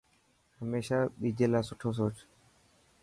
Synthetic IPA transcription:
həmeːʃaːɓiːd͡ʒʱeːlaːsʊʈʰoːs̬oːt͡ʃ

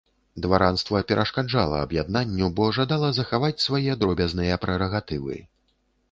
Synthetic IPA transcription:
d̪vaɾanst̪vɐpʲɛɾʔɐʂkad͡ʐalˠɐ̰ɐ̰bjad̪̚nanʲːubɔʐad̪alˠɐzɐxavat͡sʲsvajɛd̪ɾɔbʲɐznɨjɐpɾɛɾɐɣat̪ɨvɨ̰

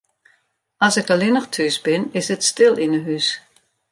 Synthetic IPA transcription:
ɑsɪkəlɪnəxtʰysbɪnɪsətstɪlˠinəɦys

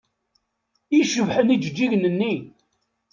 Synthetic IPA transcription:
iʃəvħənid͡ʒəd͡ʒːiʝnənːi

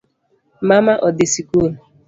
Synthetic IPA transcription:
mamaʔɔdɪsikul

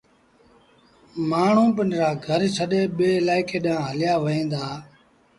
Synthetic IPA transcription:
maːɳ̤ũːpənɾaːɡʱəɾt͡ʃʰəɗeːɓeːlaːɪkeːɗãːɦəlɪjaːʋəẽːnd̪aː

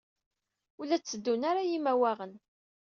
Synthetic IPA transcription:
ulæt͡sːəd̪ːunaɾajimæwæʁən

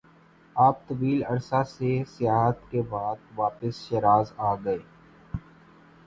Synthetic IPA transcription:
aːp̚t̪ɐʋiːlɐɾsasesɪjaːɦət̪kebaːd̪̚ʋaːpəsʃeɾaːzaːɡɐeː

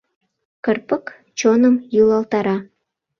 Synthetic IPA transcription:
kərpək | t͡ɕonəmjulɑlt̪ɑɾɑ

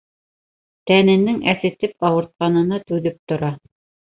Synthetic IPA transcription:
t̪ænɘ̆nɘŋæsɘ̆t̪ɘpɑwɤ̆ɾt̪̚qɑnɤ̆nɑt̪ʉðɘp̚t̪ŏɾɑ

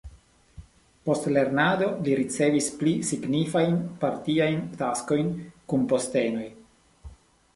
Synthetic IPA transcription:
po̞stle̞ɾnado̞liɾit͡se̞visplisiɡnifajnpaɾtiajntasko̞jnkunpo̞ste̞no̞j

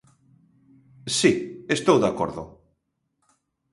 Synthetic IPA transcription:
siest̪owðakoɾðʊ̰

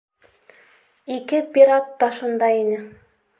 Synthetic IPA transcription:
ikɘpʲiɾat̪ːɑʃɤ̆nd̪ɑinɘ

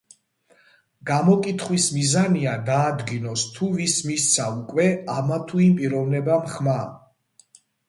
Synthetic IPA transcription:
ɡ̥amɔkʼit̪ʰχwismizaniad̪aːd̪ɡinɔst̪ʰuvismist̪sʰaukʼwɛamat̪ʰuimpʼiɾɔvnɛbamχma

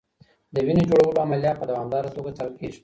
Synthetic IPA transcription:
d̪əwined͡ʒoɽawəloamalijɑt̪̚pəd̪awɑmd̪ɑɾat̪oɡat̪alkiʒ

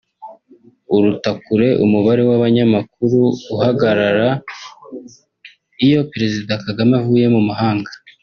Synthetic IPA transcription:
uɾutakuɾe̞ʔumuβaɾe̞waβaɲamak̚uɾuːhaɡaɾaɾa | ijo̞peɾe̞zidakaɡamevuːje̞mumaɦaːŋɡa

